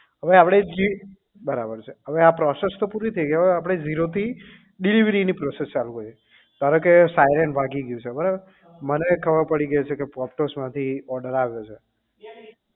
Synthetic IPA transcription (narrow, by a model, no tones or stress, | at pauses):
ɦəʋeapɽ̃ed͡ʒi | bəɾabəɾt͡ʃʰeɦəʋeapɾɔsest̪opuɾit̪ʰəjɡeəap̬ɽ̃ed͡ʒiɾot̪ʰi | ɖiliʋɾinipɾɔsest͡ʃalukoje | t̪aɾə̃kesajɾenbʱaɡiɡjũt͡ʃʰebəɾabəɾ | mənekʰəbəɾpəɽiɡəjet͡ʃʰekepɔp̚ʈosmãt̪ʰiɔɖəɾaʋjot͡ʃʰe